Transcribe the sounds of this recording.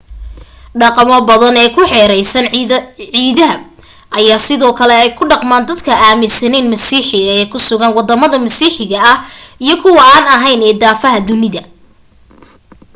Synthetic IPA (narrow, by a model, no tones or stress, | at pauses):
ɖɑqɑmɔbɐðɐnɛːkʰʊħɛːɾɛjsɐnʕiːðɐɦɐ | ʔɐjaːsɪðɔːkʰɐlɛɛjkʰʊɖɑqmaːnd̪ɐd̪kʰɐʔaːmɪsɐnɛnmɐsiːħɪɣɐɛːkʰʊsʊɣɐnwɑd̪ɐmɐðɐmɐsiːħɪɣɐɐhijɞkʰʊwɐaːnɐɦɐjnɛːd̪aːfɐɦɐd̪ʊnɪðɐ